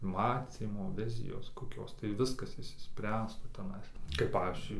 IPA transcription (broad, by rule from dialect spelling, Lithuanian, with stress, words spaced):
ˈmɑːt͡sʲiːmoː ˈʋʲɪzʲɪjoːs koːˈkʲoːs tɐɪ ˈʋʲɪskɐs ɪʃʲsʲɪˈsʲpʲrʲæːstuː tʲɛˈnɐɪs kɐɪp ˈpɑːʋʲiːzʲd͡ʒʲʊɪ